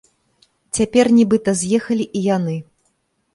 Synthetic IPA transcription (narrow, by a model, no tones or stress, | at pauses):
t͡sʲapʲɛrnʲibɨt̪ɐzʲjɛxɐlʲiʔijanɨ